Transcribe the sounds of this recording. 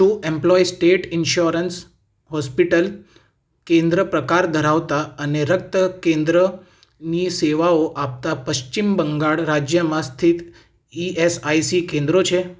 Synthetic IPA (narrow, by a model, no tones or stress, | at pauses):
ʃũʔemplɔisʈeʈɪnʃoɾəns | ɦɔspiʈəl | kẽnd̪ɾəpɾəkaɾd̪ʱəɾaʋt̪aəneɾək̚t̪əkẽnd̪ɾə | niseʋaoʔap̚t̪apəʃt͡ʃimbəŋɡaɭɾad͡ʒjəmãst̪ʰit̪ | iesaisikẽnd̪ɾot͡ʃʰe